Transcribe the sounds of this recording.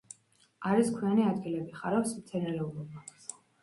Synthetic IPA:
aɾiskʰwianiad̪ɡilɛbiχaɾɛfsmt̪sʰɛnɛɾɛulˠɔbas

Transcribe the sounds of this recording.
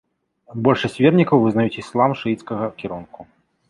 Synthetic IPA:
bɔlʲʂɐsʲt͡sʲvʲɛrnʲikɐwvɨznajut͡sʲislˠamʂɨit̪skɐɣɐkʲiɾunku

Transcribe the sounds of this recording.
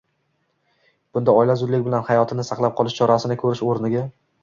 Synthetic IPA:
b̥ʊnd̪aɒjlazʊd̪lɪkʲbɪlanhajɒt̪ʰɪnɪsɑqlˠap̚qʰɒlˠɪʃt͡ʃʰɒɾasɪnɪkʰɵɾɪʃoɾnɪɡʲa

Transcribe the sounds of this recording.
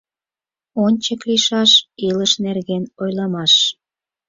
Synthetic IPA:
onʲt͡ɕəkliʃɑʃiləʃnerɣenojlɑmɑʃ

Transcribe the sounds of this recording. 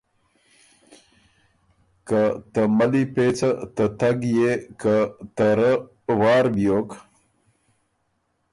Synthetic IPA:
kət̪əmɐlipeːt͡sat̪ət̪ɐɡjekət̪əɾə | wɑːɾbjoːk

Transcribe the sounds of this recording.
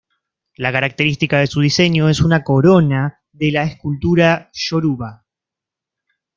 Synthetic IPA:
lakaɾak̚t̪e̞ɾist̪ikaðe̞suð̞ise̞ɲjo̞e̞sunako̞ɾo̞na | ðe̞laeskult̪uɾaʃo̞ɾuβa

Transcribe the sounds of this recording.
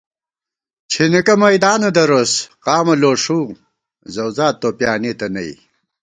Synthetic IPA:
t͡ɕʰinikɐmɐjd̪aːnɐd̪ɐɾosqaːmɐloːʂuː | zɐwzaːt̪ːoːpjaːnet̪ɐnɐ̰j̰

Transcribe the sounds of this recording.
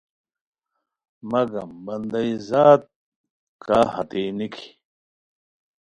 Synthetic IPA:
mɐɡɐmbɐnd̪ɐizaːt̪̚ | kʰahɐt̪eːnikʰi̥

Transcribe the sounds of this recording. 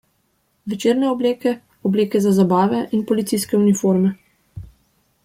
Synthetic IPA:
ʋɛt͡ʃeːɾnɛɔbleːkɛ | ɔbleːkɛzazabaːʋɛʔinpɔlit̪siskɛunifoɾmɛ

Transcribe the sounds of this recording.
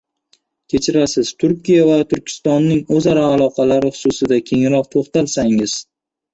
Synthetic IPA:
kʲʰe̞t͡ʃʰɪɾasɪz̥t̪ʰʊɾkʲijavat̪ʰʊɾkʲʰɪ̥st̪ɒnːɪŋɵzaɾaːlˠɒqʰɑlaɾɪχʊ̥sʊsɪd̪akʲʰe̞ŋɾɒq̚t̪ʰoχt̪alsaŋɪz̥

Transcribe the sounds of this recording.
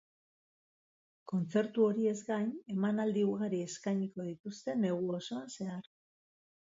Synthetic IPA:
ko̞nt͡se̞ɾt̪uo̞ɾie̞zɡajne̞manald̪iuɣaɾie̞skajɲiko̞ð̞it̪ust̪e̞ne̞ɣ̞uo̞so̞anse̞aɾ

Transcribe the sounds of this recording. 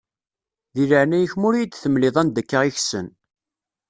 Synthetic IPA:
ðiləʕnæjəçmʊɾijd̪θəmlɪðˤænd̪ækːaʁiçsə̰n

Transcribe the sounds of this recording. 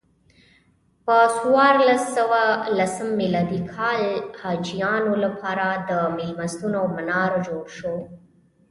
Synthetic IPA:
pəswɑɾlasːəwalasəmːilɑd̪ikʰɑlhɑd͡ʒijɑnolapʰɑɾad̪əmɪlmast̪unamanɑɾd͡ʒoɽʃo

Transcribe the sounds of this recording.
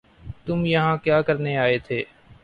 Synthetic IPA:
t̪ʊmjɐɦãkjaːkəɾneaːet̪ʰeː

